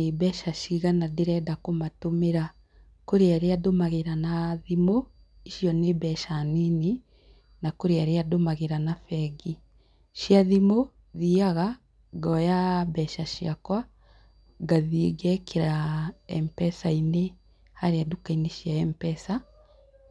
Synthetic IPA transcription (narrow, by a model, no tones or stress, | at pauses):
ebɛʃaʃiɣanadeɾɛdakomatomeɾa | koɾeaɾeadomaɣeɾanaðimo | iʃjɔnebɛʃanini | nakoɾeaɾeadomaɣeɾanafɛɡi | ʃjaðimo | ðiaɣa | ɡɔjabɛʃaʃiakwa | ɡaðieɡɛkeɾaɛmpɛsaine | haɾeadukaineʃjaɛmpɛsa